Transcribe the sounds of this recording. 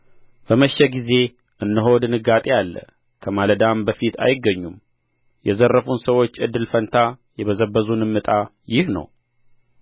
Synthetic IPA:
b̥əməʃːɛɡize̞ | ʔɨnːəɦo̞d̪ɨnɨɡat̪ʼejalːə̰ | kʰəmaləd̪ambəfit̪ʰa̰jɪɡːəɲːum | jɛzərːəfunsəwo̞t͡ʃːɨd̪ːɨlfənt̪ʰajɛβəzəbːəzunɨmːɨt̪ʼa | jɪhnə̰w

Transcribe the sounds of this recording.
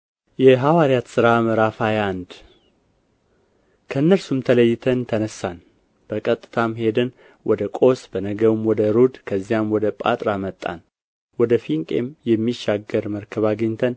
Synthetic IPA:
jɛɦawaɾjat̪sɨɾaməɾafajand̪ | kʰəɨnːəɾsumt̪ʰələjːɪt̪ʰənt̪ʰənəsːan | b̥əkʼət̪ʼːɨ̥t̪ʰamhe̞d̪ɨn | wʔɔd̪əkʼo̞sb̥ənəɡəwɨmwɔd̪əɾod̪kʰəzːijamwɔd̪əpʼa̰t̪ʼɾamət̪ʼːa̰n | wɔd̪əfiŋkʼe̞mjɛmːiʃːaɡəɾməɾkʰəβaɡɨɲt̪ʰən

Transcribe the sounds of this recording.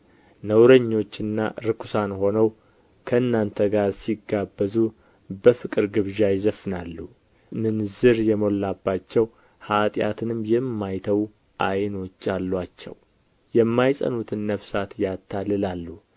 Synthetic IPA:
nəwɾəɲːo̞t͡ʃːɨnːa̰ɾɨkʰu̥sanho̞nəw | kʰəɨnːant̪ʰəɡaɾsiɡːabːəzu | bəfɨkʼɨɾɡɨβʒajɪzəfɨna̰lːu | mɨnzɨɾjɛmo̞lːabːat͡ʃːɛw | hat̪ʼja̰t̪ʰɨnɨmjɛmːajt̪ʰəw | ʔajno̞t͡ʃːalːwat͡ʃːɛ̰w | jɛmːajsʼə̰nut̪ʰɨnːəfsat̪jat̪ʰːalɨlalːu

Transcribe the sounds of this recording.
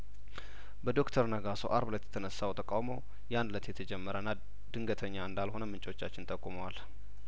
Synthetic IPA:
bəd̪o̞kt̪ʰəɾnəɡaso̞̰ʔaɾblət̪jɛ̥t̪ʰənəsːawt̪ʰəkʼawmow | jand̪lət̪jɛt̪ʰəd͡ʒɛmːəɾənːa | d̪̥ɨŋɡət̪ʰəɲːaɨnd̪alho̞nəmɨnt͡ʃʼo̞t͡ʃːat͡ʃːɪnt̪ʼəkʼːuməwal

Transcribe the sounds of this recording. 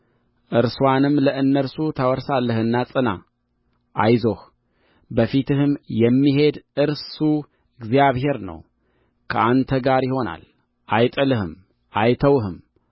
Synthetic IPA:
ʔɨɾswanɨmləʔɨnːəɾsut̪ʰəwɔɾsalːəhɨnːasʼɨna̰ | ʔajzo̞h | bəfit̪ʰɨhɨmjɛmːiɦe̞d̪ʔɨɾsu | ɨɡzijaβɦe̞ɾnə̰w | kʰəʔant̪ʰəɡaɾjɪho̞na̰l | ʔajt̪ʼəlɨhɨm | ʔajt̪ʰəwɦɨm

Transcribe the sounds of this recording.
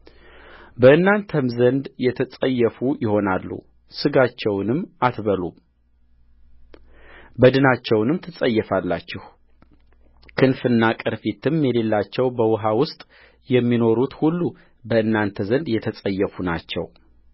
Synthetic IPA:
bəʔɨnːant̪ʰəmzənd̪jɛt̪ʰəsʼəjːɛfujɪho̞nalːṵ | sɨɡat͡ʃːɛwnɨmːat̪βəlṵ | bəd̪ɨnat͡ʃːɛwnɨmt̪ʰɨsʼəjːɛfalːat͡ʃːɪh | kʰɨnfɨnːakʼɨɾfit̪ɨmjɛle̞lːat͡ʃːɛwbəwɦawʊst̪ʼ | jɛmːino̞ɾut̪hulːu | bəʔɨnːant̪ʰəzənd̪jɛt̪ʰəsʼəjːɛfuna̰t͡ʃːɛ̰w

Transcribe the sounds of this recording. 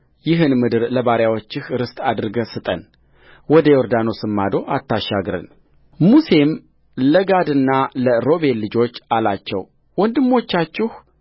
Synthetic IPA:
jɪɦɨnmɨd̪ɨɾləβaɾjawo̞t͡ʃːɪhɾɨst̪ʼad̪ɾɨɡəsɨt̪ʼə̰n | wɔd̪əjoɾd̪ano̞sɨmːad̪o̞ʔat̪ːaʃːaɡɾɨ̰n | muse̞m | ləɡad̪ɨnːaləɾo̞be̞lːɨd͡ʒo̞t͡ʃːalat͡ʃːɛw | wɔnd̪ɨmːo̞t͡ʃːat͡ʃːɪh

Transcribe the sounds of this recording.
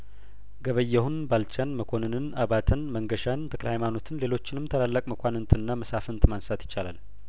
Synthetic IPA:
ɡəβəjːɛhunbalt͡ʃanməkʷʰo̞nɨnɨnaβat̪ʰɨnməŋɡəʃant̪ʰəkʼlhajmano̞t̪ʰɨnle̞lo̞t͡ʃːɪnɨmt̪ʰəlalːəkʼməkʰʷanɨnt̪ʰɨnːaməsafɨnt̪ʰmansat̪jɪ̥t͡ʃːala̰l

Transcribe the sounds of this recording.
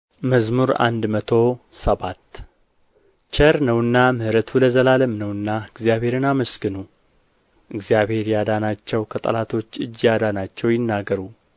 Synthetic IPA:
məzmuɾa̰nd̪mət̪ʰo̞səβat̪ː | t͡ʃʰəɾnəwɨnːamɨhɾət̪ʰuləzəlaləmnəwɨnːaɨɡzjaβhe̞ɾɨnaməsɡɨnu | ʔɨɡzijaβhe̞ɾjad̪anat͡ʃːɛwkʰət̪ʼə̰lat̪ʰo̞t͡ʃːɨd͡ʒːjad̪anat͡ʃːɛwjɪnːaɡːəɾu

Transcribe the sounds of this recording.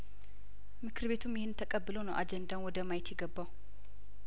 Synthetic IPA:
mɨkʰɨɾβe̞t̪ʰumjɪhɪnt̪ʰəkʼəbːɨlonəwʔad͡ʒɛnd̪anwɔd̪əmajɛt̪jɛɡəbːaw

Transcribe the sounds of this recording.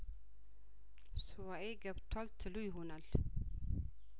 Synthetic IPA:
suwaeɡabt̪ʰalt̪ʰəlujɦunal

